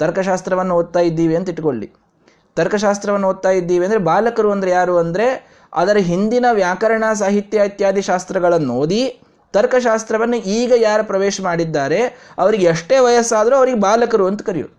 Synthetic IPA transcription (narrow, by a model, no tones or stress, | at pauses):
t̪ɐɾkɐʃaːst̪ɾɐʋɐnːuoːd̪̚t̪aːjid̪ːiːʋiɐnt̪iʈːkoɭːḭ | t̪ɐɾkɐʃ̬aːst̪ɾɐʋɐnːoːd̪̚t̪aːjid̪ːiːʋiɐnd̪ɾe̞baːlɐkɐɾuɐnd̪ɐɾejaːɾuːɐnd̪ɐɾe̞ | ɐ̰d̪ɐɾɐɦind̪inɐʋjaːkɐɾɐɳas̬aːɦit̪jaːit̪jaːd̪iʃaːst̪ɾɐɡɐɭɐnːoːd̪i | t̪ɐɾkɐʃ̬aːst̪ɾɐʋɐnːuiːɡɐjaːɾupɾɐʋeːʃɐmaːɽid̪ːaːɾe̞ɐʋɐɾiɡeɐʂʈe̞ːʋɐjɐsːaːd̪ɐɾuɐʋɐɾiɡebaːlɐkɐɾuɐnt̪u̥kɐɾijṵ